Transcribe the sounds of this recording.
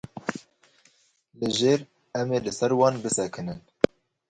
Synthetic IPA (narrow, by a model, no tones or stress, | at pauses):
lɨʒeːɾ | ɛmeːlɨsɛɾwɑːnbɨsɛkʰɨnɨn